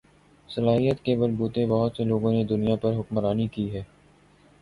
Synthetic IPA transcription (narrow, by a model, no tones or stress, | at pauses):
sɐlaːɦijət̪kemɐɾbuːt̪ebɔɦʊt̪seloːɡõned̪ʊnijapɐɾɦʊkmɾaːnikiɦɛː